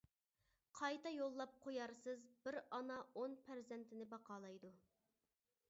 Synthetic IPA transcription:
qʰɑjt̪ɑjolˠːɑp̚qʰojɑɾsɨzbɪɾɑnɑonpʰæɾzɛnt̪ʰɪnɪbɑqɑːlˠɑjd̪u

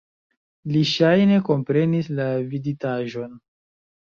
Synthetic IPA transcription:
liʃajne̞ko̞mpɾe̞nislavizitaʒo̞n

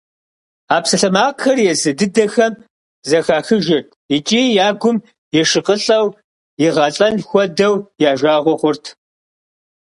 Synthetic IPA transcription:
aːpsɐɬɐmaːqxɐrjɛzɨdɨdɐxɐm | zɐxaːxɨʒɪrtʰit͡ʃʼiːjaːɡʷʊm | jɛʂɨqəɬʼɐw | jɪʁɐɬʼɐnxʷɔdɐwjaːʒaːʁʷɔχʷʊrtʰ

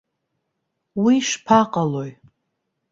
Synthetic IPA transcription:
wiʂpʰaqʼalo̞j

